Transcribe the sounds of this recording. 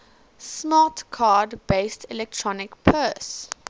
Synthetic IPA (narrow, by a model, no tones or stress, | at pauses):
smɑːˑtkʰɑːdbeɪstʰɪlɛk̚tʰɹɔnɪkpʰɜːs